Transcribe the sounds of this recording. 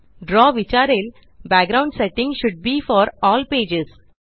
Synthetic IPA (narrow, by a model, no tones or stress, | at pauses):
ɖɾɔːʋɪt͡ʃaːɾel | bæk̚ɡɾãʊ̃ɳɖsɛʈːɪ̃ŋʃʊɖ̚biːfɔːɾɔːlpeːd͡ʒes